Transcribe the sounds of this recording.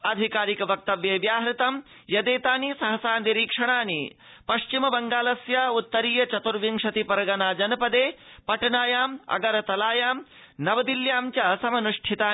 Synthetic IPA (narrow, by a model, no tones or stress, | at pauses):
ɐd̪ʱikaːɾikɐʋɐk̚t̪ɐʋjeːʋjaːɦɾit̪ɐm | jɐd̪eːt̪aːnisɐɦɐsaːnd̪iɾiːkʂɐɳ̃aːni | pɐʃt͡ʃimɐbɐŋɡaːlɐsjɐut̪ːɐɾiːjɐt͡ʃɐt̪uɾʋiŋʃɐt̪ipɐɾɐɡɐnaːd͡ʒɐnɐpɐd̪eːpɐʈɐnaːjaːmɐ̰ɡɐɾɐt̪ɐlaːjaːm | nɐʋɐd̪iljaːmt͡ʃɐsɐmɐnuʂʈʰit̪aː